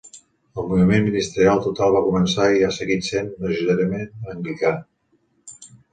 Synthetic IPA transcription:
əlˠmuβimenminist̪əɾialˠt̪ut̪alˠβakumənsaiasəɣit̪senrəʒiðəɾəmenəŋɡlika

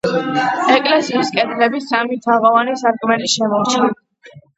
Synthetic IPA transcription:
ɛkʼlɛsiːskʼɛd̪ɾɛbisamit̪ʰaʁɔvanisaɾkʼmɛliʃɛmɔɾt͡ʃʰa

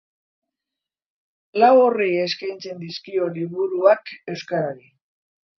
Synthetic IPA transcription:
lawo̞rieskajnt͡se̞nd̪iskio̞liβ̞uɾuake̞wskaɾaɾi

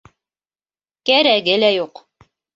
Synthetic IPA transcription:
kæɾæɡɘlæjuq

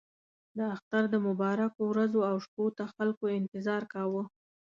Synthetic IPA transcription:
d̪əaxt̪aɾd̪əmʊbɑɾakowɾazoawʃpot̪axalkoɪnt̪ɪzɑɾkɑwə

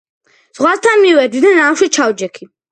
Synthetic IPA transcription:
z̥ʁwast̪ʰanmivɛd̪wid̪anaʃit͡ʃʰawd͡ʒɛkʰi

